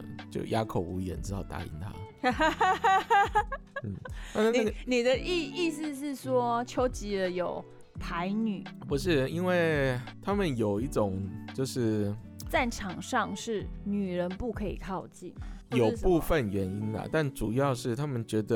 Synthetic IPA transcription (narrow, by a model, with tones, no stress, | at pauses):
t͡ɕjo̰˥˩ʊjʔa˥kʰo˨˩ʊu˧˥jɛ̰˨˥˦nʈ͡ʂɻ̩˥t̪ɑ˥˩ʊt̪a̰˧˥ḭ˧˥nt̪ʰa̰˦˥ | n̩˥˩na˥˧˥na˨˥ɡni˨˩d̪ə˦ʔi˥˧i˥˧s̩˥˧ʂɻ̩˥˩ʂwɔ˥t͡ɕʰjo˧˥ʊt͡ɕi˧˥lə˧jo˨˩ʊ | t̪ʰa˧˦ɪny˨˩˦pu˧˦ʂɻ̩˥˩i˥nwe˥˩ɪt̪ʰa˥mə˨njo˨˩ʊi˥˩ʈ͡ʂʊ˨˩ŋt͡ɕjo˥˧ʊʂɻ̩˥˩ | t͡sa˥˩ɪʈ͡ʂʰɑ˨˩ŋʂɑ˥˧ŋʂɻ̩˥˩ny˨˩ɻə˧˦˥npu˥˩kʰɤ˧˥ḭ˨˩kʰɑ˥˧ʊt͡ɕi˥˩njo˨˩ʊpu˥˧fə˨nɥɛ˧˥ni˥nlə̰˨˩t̪a˥˩nʈ͡ʂu˨˩jɑ˥˧ʊʂɻ̩˥˩t̪ʰa˥mə˨nt͡ɕɥɛ˧˥d̪ə˧